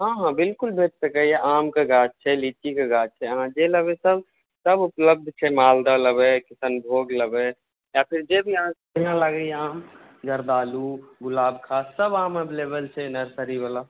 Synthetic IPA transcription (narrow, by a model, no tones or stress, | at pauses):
ɦãɦãbɪlkʊlbʱeʈsəkəjeʔaːmkaɡaːt͡ʃ̚t͡ʃʰɛlit͡ʃikaɡaːd͡ʒ̚t͡ʃʰɛəɦãd͡ʒeləbesəb | səbʊpləb̚d̪ʱt͡ʃʰɛmaːld̪ələbɛkɪsənbʱoːɡləbɛ | japʰɪɾd͡ʒebʱiəɦã | jãlaɡəiaːm | d͡ʒəɾd̪aːluɡʊlaːbkʰaːsːəbaːməbleːbəlt͡ʃʰenəɾsəɾibala